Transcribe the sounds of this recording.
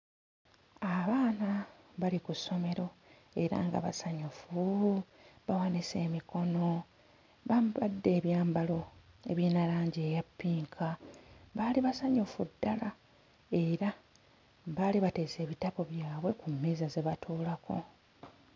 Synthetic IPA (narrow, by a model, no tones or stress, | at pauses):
aβaːnaβalikusːo̞me̞ɾo̞ | e̞ɾa̰ːŋɡa̰βa̰saɲufu | βawanise̞ːmikʰo̞no̞ | βamadːe̞ːβjaːmbalo̞e̞̰βjiːnalaːɲɟeːjapːiːŋkʰaβaliβasaɲufudːala | e̞ɾa | βaliβate̞ːse̞ːβitapo̞βjaːβwe̞kumːiːzaze̞βatʰuːlako̞̰